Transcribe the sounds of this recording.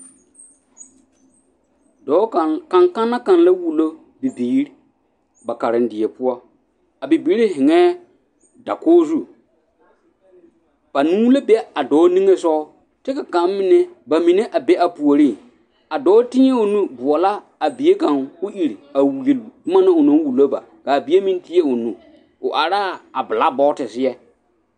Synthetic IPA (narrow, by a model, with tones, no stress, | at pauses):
dɔ˨˦˨ka˨ŋka˦nːa˦ka˨n˦la˦wu˨lo˦ | bi˨biː˨˦ɾ | ba˨ka˨ɾɪ˨n˦dɪ˨ɛ˨pʊ˦ɔ˦ | a˨bi˨biː˦ɾi˦hɪ˨ŋɛː˦ | da̰˨kɔː˦zu˦˨ | b̥a˨nũ˦wlo˦bɛ˦a˨dɔː˨˦nĩ˦ŋe˦sɔ˦ʊ˦ | tɪ˦ka˨ka˨˦m˦mɪ˨nɛ˦ba˨mɪ̃˨nɛ˦ʔa˨be˦ʔa˨pu˨o˨ɾi˦˨ | a˨dɔː˨˦tɪ˦ɛ˦ʊ˨nũ˦bʊ˨ɔ˨la˦ | a˨bi˨e˦kã˨ŋʊ˦ʔi˨ɾi˨a˨wu˨e˨lu˨dʊ˦ma˦nã˦ʊ˨nɔ̃˦wu˨lo˦ba̰˨ | ka˨bi˨˦e˦mĩ˦n˦tɪ˦e˦ʊ˨nũ˨ | ʊ˨ʔa˨ɾaː˦a˨bɪ˨la˦bɔ˦tɪ˨sɪ˦jɛ˦